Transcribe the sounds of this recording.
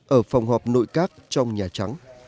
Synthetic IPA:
ʔəː˧˩fa˨˩wŋ͡mɦɔː˨˩p̚no̰˧˨jkaː˦˥k̚t͡ɕɔ˧wŋ͡mɲaː˨˩t͡ɕa˨˦ŋ

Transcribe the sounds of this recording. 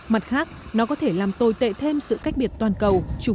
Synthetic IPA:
ma˨˩t̚xaː˦˥k̚nɔ˨˦kɔ˨˦t̪ʰe˧˩laː˨˩mt̪o˨˩jt̪ḛ˧˨t̪ʰe˧msɨ̰˧˨ka˦˥jk̟̚ɓi˨˩ət̚t̪waː˨˩nkə˨˩wt͡ɕu˨˧˩

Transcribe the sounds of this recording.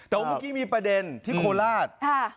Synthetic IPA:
t̪ɛː˨˩wa˦ma˦˧˩kiː˧˥˩miː˧pɾa˧de˧nt̪ʰiː˥˩kʰoː˧laː˥˩t̪̚kʰa˥˩

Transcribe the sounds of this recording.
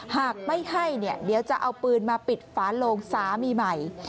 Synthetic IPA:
haː˨˩k̚ma˥˩jha˥˩jni˥˩ədiː˩˦˥wt͡ɕa˨˩ʔa˧wpɯː˧nmaː˧pi˨˩t̪̚faː˨˦˥loː˧ŋsaː˩˦miː˧ma˨˩j

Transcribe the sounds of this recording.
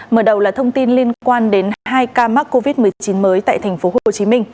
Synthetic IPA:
məː˧˩ɗə˨˩wlaː˨˩t̪ʰə˧wŋ͡mt̪i˧nli˧ənkwaː˧nɗe˨˦nɦaː˧jkaː˧ma˦˥k̚kːo˧vi˦˥t̚mɨ˨˩əjt͡ɕi˨˦nməː˨˦jt̪a̰ː˧˨jt̪ʰɛ˨˩ŋ̟fo˨˦ɦo˨˩t͡ɕi˨˦mï˧ŋ̟

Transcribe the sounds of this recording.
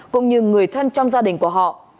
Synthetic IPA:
kʊ̰˧˥wŋ͡mɲɨ˧ŋɨ˨˩əjt̪ʰə˧nt͡ɕɔ˧wŋ͡mzaː˧ɗï˨˩ŋ̟ku˧˩əɦɔ̰˧˨ʔ

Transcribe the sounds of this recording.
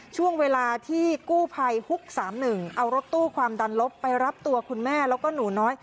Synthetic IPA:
t͡ɕʰu˥˩əŋweː˧laː˧t̪ʰiː˥˩kuː˥˩pʰa˧jhu˦˥k̚saː˩˦mnɯ˨˩ŋʔa˧wɾo˦˥t̪ːuː˥˩kʰwaː˧mda˧nlo˦˥pːa˧jɾa˦˥p̚t̪u˧ɐkʰu˧nmɛː˥˩lɛː˦˥wkɔː˥˩nuː˨˩˦nɔː˦˥j

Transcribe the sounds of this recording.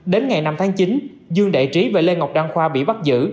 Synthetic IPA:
ɗe˨˦nŋa˨˩jna˧mt̪ʰaː˨˦ŋt͡ɕi˨˦n | zɨ˧əŋɗa̰˧˨jt͡ɕi˨˦ve˨˩le˧ŋ˨˩wk͡p̚ɗaː˧ŋxwaː˧ɓḭ˧˨ɓa˦˥t̚zɨ̰˧˥

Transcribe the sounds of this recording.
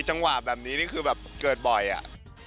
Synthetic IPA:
t͡ɕa˧ŋwa˨˩bɛː˨˩p̚niː˦˥niː˥˩kʰɯː˧bɛː˨˩p̚kɤː˨˩t̪̚bɔ˨˩jʔa̰˨˩ʔ

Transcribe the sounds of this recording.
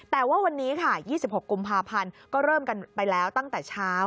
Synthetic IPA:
t̪ɛː˨˩waː˥˩wa˧nːiː˦˥kʰa˥˩jiː˥˩si˨˩p̚ho˨˩kːu˧mpʰaː˧pʰa˧nkɔː˥˩ɾɤː˥˩mka˧npa˧jlɛː˦˥wt̪a˥˩ŋt̪ɛː˨˩t͡ɕʰaː˦˥w

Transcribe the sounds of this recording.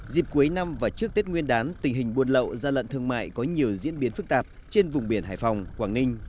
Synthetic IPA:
zi˨˩p̚ku˨˦əjna˧mvaː˨˩t͡ɕɨ˦˥k̚t̪i˦˥t̚ŋwi˧ənɗaː˨˦nt̪ï˨˩ŋ̟ɦï˨˩ŋ̟ɓu˧˩ənlə̰˧˨wzaː˧lə̰˧˨nt̪ʰɨ˧əŋma̰ː˧˨jkɔ˨˦ɲi˨˩əwzḭ˧˥ənɓi˨˦ənfɨ˦˥k̚t̪aː˨˩p̚t͡ɕe˧nvʊ˨˩ŋ͡mɓi˧˩ənɦa̰ː˧˨˩jfa˨˩wŋ͡mkwaː˧˩ŋnï˧ŋ̟

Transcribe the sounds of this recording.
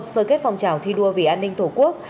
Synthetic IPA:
t̚səː˧˩ke˦˥t̚fa˨wŋ͡mt͡ɕaː˧˩wt̪ʰi˧ɗu˧əvi˧˩ʔaː˧nːï˧ŋt̪ʰu˧˩ku˦˥ək̚

